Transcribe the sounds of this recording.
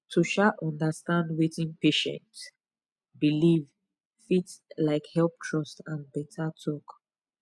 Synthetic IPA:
tʰuʃaʔɔ̃ndəstãndwetĩnpeʃɛ̰̃nt | biliv | fitlaɪkhɛlˠp̚tʰɹɔstãnbɛtʰatʰɔk

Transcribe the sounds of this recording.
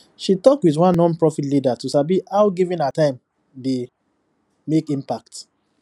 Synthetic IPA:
ʃitɔkwidwãnːɔ̃npɹɔfitlidatusabihaʊɡivĩnatãɪ̃m | de | mekĩmpak̚t

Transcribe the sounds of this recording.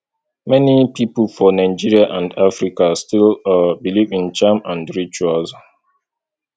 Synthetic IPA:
mɛnipʰipəlfɔnaɪd͡ʒiɹiaʔãndafɹikastilbilivĩnt͡ʃãmãndɹit͡ʃuals

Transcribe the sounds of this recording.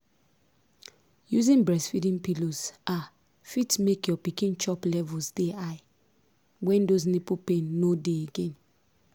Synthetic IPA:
juzĩnbɹɛsfidĩnpiloza | fitmekjɔpikĩnt͡ʃɔplɛvusdeaɪ | wɛ̃ndoznepupẽnːodeeɡẽn

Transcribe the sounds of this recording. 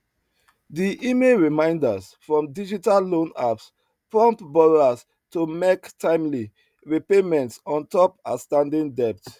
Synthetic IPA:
diʔimelɹimãɪ̃ndas | fɹɔ̃mdid͡ʒitalːõnaps | pɹɔ̃mpbɔɹas | tumektʰãɪ̃mli | ɹipemɛ̃ntsɔ̃ntɔpa̰stãndĩŋdɛp̚t

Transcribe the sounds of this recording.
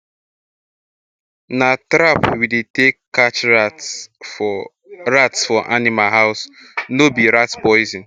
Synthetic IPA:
natɾapwidetekːat͡ʃ | ɾatsfɔʔa̰nimalɦaʊs | nobiɾatpɔɪzĩn

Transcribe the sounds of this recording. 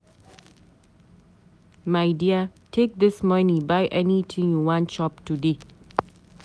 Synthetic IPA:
maɪdiatʰek̚d̪ɪsmanibajʔɛnit̪ʰĩŋjuwɔ̃nʃɔp̚tude

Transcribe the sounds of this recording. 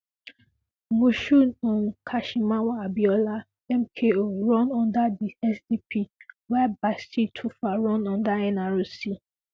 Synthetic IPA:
moʃuɔ̃nkʰaʃimawabiɔla | ɛmkʰeoɹɔ̃nɔ̃ndadiɛsdipʰiwɛbastitʰufaɹɔ̃nɔ̃ndaɛ̃naɹosi

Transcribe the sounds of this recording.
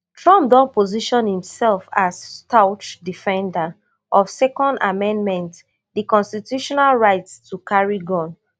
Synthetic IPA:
tɹɔ̃mdɔ̃npoziʃɔ̃nhĩmsɛlfasstaʊt͡ʃdifɛ̃nda | ʔɔfsɛkɔ̃nda̰mɛ̃nmɛ̃nt | dikɔ̃nstitjuʃɔnalɹaɪtstukaɹiɡɔ̃n

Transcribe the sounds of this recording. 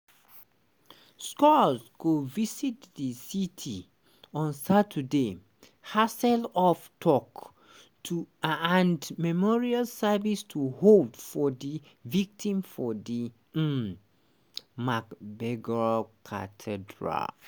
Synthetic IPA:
skɔzkovisitdisitʰi | ɔ̃nsatʰəde | hasɛlɔftʰɔk | tʰuãndmɛmɔɹialsavistʰuholdfɔdi | vik̚tʰĩmfɔdi | makbɛɡɹakʰa̰tʰɛdɹa̰l

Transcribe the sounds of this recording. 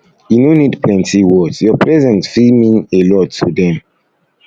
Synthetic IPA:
junonidpʰlɛ̃ntiwɔdsjɔpʰɹɛzɛ̃ntfilmĩnelɔtʰːudɛ̃m

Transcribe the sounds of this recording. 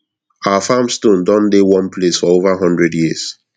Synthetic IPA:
aafamstõndɔ̃ndewɔ̃npʰlesfɔovaɦɔ̃ndɹɛdjiz̥

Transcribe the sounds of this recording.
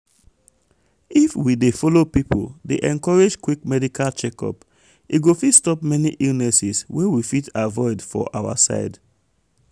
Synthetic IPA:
ifwidefɔlopipʰo̰ldeʔɛ̃nkɔɹed͡ʒkwikmɛdikʰalt͡ʃɛkɔ̰p | iɡofitstɔpmɛniʔilnɛsiswewifitavɔɪdfɔ̰ʔawa̰sa̰ɪd

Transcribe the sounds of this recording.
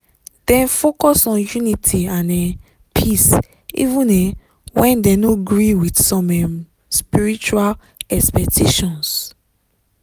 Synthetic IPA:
d̥ɛ̃nfokɔsɔ̃njunitʰiãnɛ | pʰis | ḭvũnɛ | wɛ̃ndɛ̃noɡɹiwidsɔ̃mɛm | spiɹit͡ʃual | ɛkspɛk̚tʰeʃɔ̃ns

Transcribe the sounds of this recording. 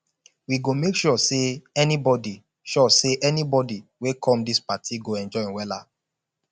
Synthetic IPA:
wiɡomekʃɔseɛnibɔdi | ʃɔseʔɛnibɔdiwekʰɔ̃mdispatʰiɡoɛ̃nd͡ʒɔ̃wɛla̰

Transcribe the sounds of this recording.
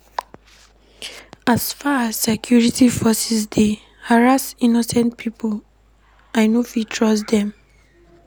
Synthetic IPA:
asfaasːɛkʰjuɹitifɔsɛsde | haɹastinɔsɛ̃nt̚pʰipʰo | aɪnufitʰɹɔs̬d̪ɛ̃m

